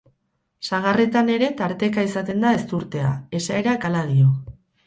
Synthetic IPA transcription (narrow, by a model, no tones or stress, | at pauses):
saɣ̞are̞t̪ane̞ɾe̞t̪aɾt̪e̞kaisat̪e̞nd̪ae̞st̪uɾt̪e̞a̰e̞sae̞ɾakalað̞io